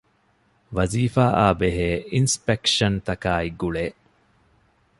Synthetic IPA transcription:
ʋɐziːfaːʔaːbeɦeːinspekʂɐnt̪ɐkaːiɡuɭeː

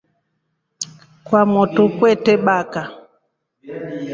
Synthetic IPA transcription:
kwamɔtukwɛtɛɓaka

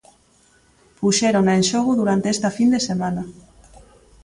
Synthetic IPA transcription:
puʃeɾonenʲʃoɣuðuɾant̪eest̪afind̪esemana

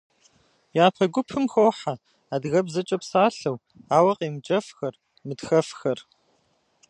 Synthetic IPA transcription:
jaːpʰɐɡʷʊpʰɨmxoːħa | aːdɣɐbzɐt͡ʃʼɐpsaːɬɐw | aːwɐqʼeːmt͡ʃʼɐfxɐr | mɨtxɐfxɐr

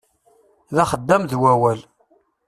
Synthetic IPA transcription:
ðæχəd̪ːæmðwæwæl

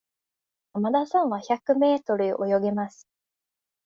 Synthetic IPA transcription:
amad̪asãɰ̃βaçakɯ̟me̞ːt̪o̞ɾɯʔo̞̰jo̞ɡe̞masɨ̥

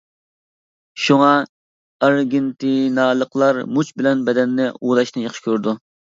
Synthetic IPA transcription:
ʃuŋɑ | ɑɾɡʲɪnt̪ɪnɑːlˠəqlˠɑɾmut͡ʃbɪlɛnbɛd̪ɛnːɪuːd̪ɑʃnɨjɑχʃɪ̥kʲʰøɾd̪u

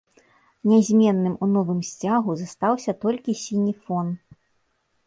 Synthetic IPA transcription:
nʲazʲmʲɛnːɨmunɔvɨmsʲt͡sʲaɣuzast̪awsʲɐt̪ɔlʲkʲisʲinʲifɔn

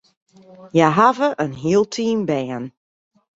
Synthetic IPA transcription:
jajɦavəʔənɦiəlˠtʰiːmbɛən

